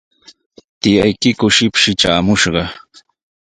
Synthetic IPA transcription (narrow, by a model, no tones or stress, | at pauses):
t̪ɪjajkɪkʊʃɪpʃɪʈ͡ʂaːmʊʃɢɑ